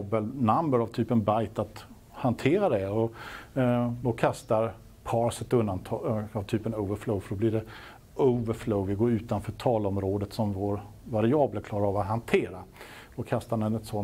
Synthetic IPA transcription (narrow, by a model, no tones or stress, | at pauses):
bəlnambəɾavt̪ʰyːpənbajt̪at̪ | hant̪ʰeːɾad̪ɛɔ | d̪ɔkʰast̪aɾ | pʰɑːɾsɛt̪ɵnd̪ant̪ʰɑɑvt̪ʰyːpənoʊvəɾfloʊfœɖɔblɪɖɛ | əʊvəɾfloʊvɪɡoːɾʉ̟ːt̪anfœːʈʰɑːlɔmɾoːd̪ət̪sɔmvoːɾ | vaɾɪɑːbləkʰlɑːɾaɾavat̪ɦant̪ʰeːɾa | d̪ɔkʰast̪aɖɛnɛt̪sɔ